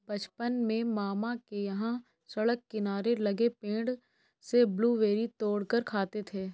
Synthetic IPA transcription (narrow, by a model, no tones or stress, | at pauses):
bɐt͡ʃpənmẽmaːmakejɐɦã | sɐɽəkːɪnaːɾelɐɡepẽːɳɖ | sebluːʋeːɾit̪oːɽkəɾkʰaːt̪et̪ʰeː